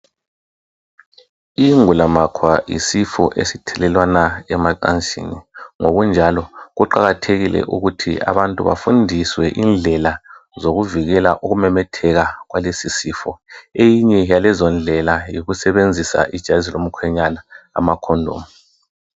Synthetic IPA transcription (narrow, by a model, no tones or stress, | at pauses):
iŋulamakʰwajḭsifɔ̰ʔḛsitʰɛlɛlwanaɛmakʼa̰nt͡ʃʼḭniŋoɣund͡ʒʱalɔɣuǃaɣatʰeɣilɛ̰ʔuɣutʰḭʔa̰βantʼuβa̰fundʱiswɛʔind͡ɮʱɛlazoɣuviɣɛlaʔuɣumɛmɛtʰɛɣaɣwalesisifɔejiɲɛjalɛzɔnd͡ɮʱɛlajiɣusɛβend͡zʱisa̰ʔid̥ʒ̥ʱazilom̩kʰwɛɲanaa̰makʰɔndʱo̰ːmu